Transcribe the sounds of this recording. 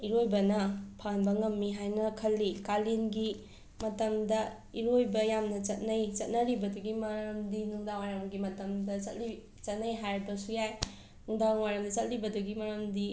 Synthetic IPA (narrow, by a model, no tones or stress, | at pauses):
iɾojbɐnɐpʰanbɐŋɐmːiɦajnɐkʰɐlːikalinɡi | mɐtɐmdɐ | iɾojbɐjamnɐt͡ʃɐt̚nɐjt͡ʃɐt̚nɐɾibɐduɡimɐɾɐmdinuŋdawajɾamɡimɐtɐmdɐt͡ʃɐtli | t͡ʃɐt̚nɐjɦajɾibɐsujaj | nuŋdaŋwajɾɐmdɐt͡ʃɐt̚libɐduɡimɐɾɐmdi